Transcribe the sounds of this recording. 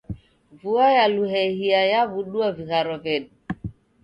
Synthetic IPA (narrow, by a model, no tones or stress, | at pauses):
vuajaluɦehijajavuɗuaviɣaɾɔvɛɗ̚